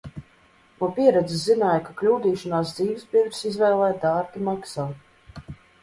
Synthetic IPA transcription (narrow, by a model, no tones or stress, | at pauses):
nuɔpʲiɛɾɛd̪ziszinaːjkaklʲuːd̪iːʃɔnaːsd̪ziːvsbʲivɾsizvɛːlˠɛːjd̪aːɾɡʲimaksaː